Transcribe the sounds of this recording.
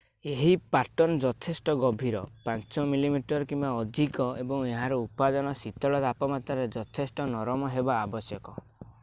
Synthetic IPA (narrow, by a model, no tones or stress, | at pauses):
eɦipaʈɔnɔd͡ʒɔt̪ʰesʈɔɡɔbʱiɾɔpãnt͡ʃɔmilimiʈɔɾɔkimbaɔd̪ʱikɔebɔŋeɦaɾɔupad̪ɔnɔsit̪ɔɭɔt̪apɔmat̪ɔɾed͡ʒɔt̪ʰesʈɔnɔɾɔmɔɦebaːbɔsjɔkɔ